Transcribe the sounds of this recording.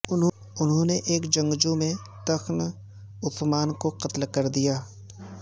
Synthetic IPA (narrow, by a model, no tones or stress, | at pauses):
ʊn | ʊnɦõneʔeːkd͡ʒɐ̃ŋɡd͡ʒumẽ | t̪ɐxn | ʊsmaːnkoqɐt̪lkɐɾd̪ijaː